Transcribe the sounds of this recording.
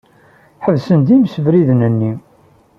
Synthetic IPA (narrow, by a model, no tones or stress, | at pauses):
ħəvsənd̪imsəvɾiðnənːi